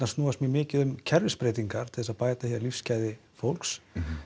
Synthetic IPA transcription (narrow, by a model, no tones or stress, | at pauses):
nast̪nuːasmimɪːcɪðʏmcʰɛɾvɪspɾeːjt̪iŋkaɾ̥t̪ʰɪ̥lðɛsaðpaːjt̪ahjaɾlifscaːjðɪfowlks